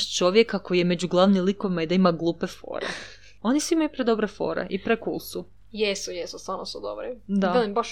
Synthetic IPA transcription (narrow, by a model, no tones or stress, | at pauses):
t͡ʃo̞ʋjekako̞jijeme̞d͡ʑuɡlˠaʋnilˠiko̞ʋimaid̪aimaɡlˠuːpefo̞̰ːɾḛ | o̞nisuimajupɾed̪o̞bɾefo̞̰ːɾḛʔipɾekṵlˠsu | jesujesust̪ʋaɾnosud̪obɾid̪aelimbaʃ